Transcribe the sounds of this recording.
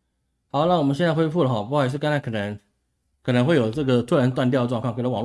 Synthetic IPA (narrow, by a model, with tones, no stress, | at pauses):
hɑ˨˥ʊna˥˩wɔ˨˩mə˦ɕ̬jɛ˥˧t͡sxwe˥fu˥˩lə˩xpu˥˨˧ʂ̬̩˥˩ka˥na˧˥ɪkʰɤ˨˩ə˧˦˥ŋ | kʰɤ˨˩nə˧˥ŋxwɪjo˨˩ʊʈ͡ʂɤ˥˩ɡə˩t̪ʰu˥ɻa˧˥nt̪wa˥˧nt̪jɑ˥˧də˩ʈ͡ʂwŋkʰɑ˥˧ŋke˨˩lwɑ˨˩ŋ˥